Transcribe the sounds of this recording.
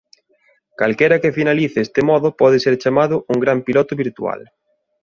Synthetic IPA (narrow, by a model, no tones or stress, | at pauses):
kalkɛɾɐkefinaliθeest̪emɔðʊpɔðeseɾt͡ʃamaðʊʔuŋɡɾampilɔt̪ʊβiɾt̪ua̰l